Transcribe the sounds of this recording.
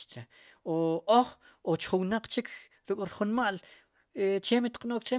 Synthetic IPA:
t͡ʃe | oʔoχ | ot͡ʃχuwnaq͡χt͡ʃikʰ | ɾukʼɾχunmaʔl | et͡ʃemit̪qʼnoːkt͡ʃe

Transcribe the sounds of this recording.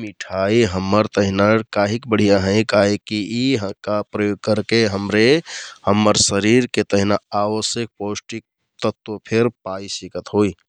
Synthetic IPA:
miʈʰaiɦəmːəɾt̪əɦinakaɦikbəɽ̤ijaɦə̃ɪ̃kaɦekiikapɾəjoɡ̚kəɾkeɦəmɾehəmːəɾsəɾiɾket̪əɦinaaʋəsjək̚posʈik̚ | t̪ət̪opʰeɾpaisikət̪ɦoi

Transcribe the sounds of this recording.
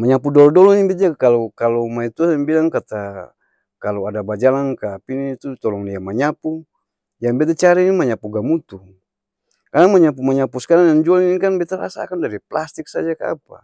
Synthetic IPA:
maɲapudɔlɔdɔlɔnibɛt̪akalɔkalɔmait̪uasɛmbilaŋkat̪a | kalɔadabad͡ʒalankaːpinit̪ut̪ɔlɔŋdiamaɲapu | jaŋbɛt̪̬at͡ʃaɾinimaɲapuɡamut̪u | kanaŋmaɲap̬umaɲapuskaɾanjaŋd͡ʒualinikanbɛt̪aɾa̰sa̰kandaɾiplast̪ik̚sad͡ʒakaa̰pa̰

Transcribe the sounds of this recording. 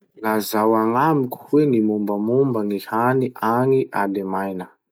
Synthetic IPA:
lazawaŋamiku̥wenimumbəmumbənihaniʔaŋiʔalemajnə

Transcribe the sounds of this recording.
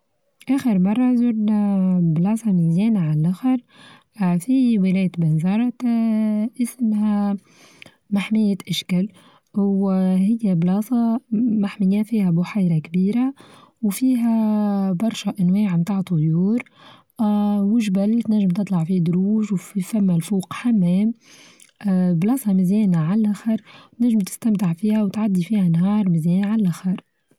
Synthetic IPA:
ʔæːxəɾmɑrˤːɑzuɾnablɑːsˤɑmɪljæːnaʕalʔaxɪɾˤ | fiwɪlæːjt̪bɪnzɑɾˤɑt̪ | ʔɪsmhæ | maħmɪjːaʔaʃkæl | whɪjːæblɑːsˤɑmaħmɪjæfiːhæbʊħajɾakbiːɾawfiːɦæbɑɾˤʃaʔænwɛːʕmt̪aːʕt̪ˤːʊjuːɾ | wɪʒbælt̪næʒːɪmt̪ɨt̪ˤlɑʕfid̪ɾuːʒwffæmːælfuːqħamːɛːm | blɑːsˤɑmɪzjɛːnaʕallʔaxɑɾˤt̪næʒːɪmt̪ɪ̥st̪amt̪ɪʕfiːhæwt̪ʕad̪ːifiːhænɦɑːɾˤmɪzjɛːnʕallʔaxɑɾˤ

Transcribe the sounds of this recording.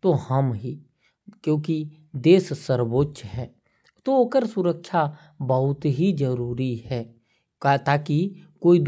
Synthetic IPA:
t̪ohɐmɦiː | kjõːki | d̪eːssəɾboːtːʃɦɛː | t̪ookəɾsʊɾəkʃa | bəɦʊt̪ɦizəɾuːɾiɦɛː | at̪aːkikoːid̪

